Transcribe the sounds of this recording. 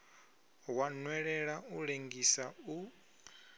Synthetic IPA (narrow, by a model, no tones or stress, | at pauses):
wanwɛɺɛɺauɺeŋɡisau